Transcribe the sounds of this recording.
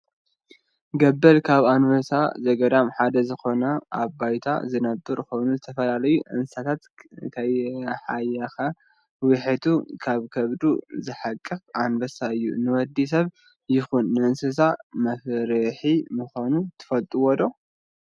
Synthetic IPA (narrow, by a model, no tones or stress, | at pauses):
ɡɐbːɐlkʰaβanvɐsa̰zɐɡɐd̪amħad̪ɐzɨxo̞nɐʔa̰βbajt̪ʰa̰zɨnɐbɨɾxo̞jnuzɨt̪ʰɐfɐlalɐjuʔɨ̰nsat̪ʰat̪kʰɐjħajɐxɐ | wɪħɨt̪ʰukʰaβkʰɐβd̪uzɨħakʼːɨxʔanbɐsaɨjːṵnɨwɐd̪ːis̬ɐβ | jɪxunːɨɨnsɨs̬amɐfɾɨħimɨxonut̪ʰɨ̥fɐlt̪ʼuwɔd̪o̞